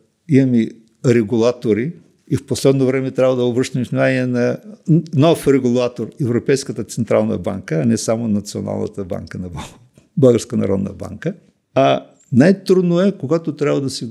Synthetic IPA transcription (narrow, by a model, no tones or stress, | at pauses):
imɐmi | ɾɛɡulˠat̪oɾi | ifposlɛd̪novɾɛmɛt̪ɾʲabvəd̪ɐobɾəʃt̪ɐmisnimaniɛnɐ | nɔfɾɛɡulˠat̪oɾɛvɾopɛjskət̪ət̪sɛnt̪ɾalˠnə̰ba̰ŋkəːnɛsamonɐt̪sio̰na̰lˠnə̰t̪əba̰ŋkənɐb | bəlˠɡəɾskənɐ̰ɾɔ̰d̪nə̰ba̰ŋkə | ɐ | najt̪ɾud̪noɛkoɡat̪ot̪ɾʲabvɐd̪ɐsi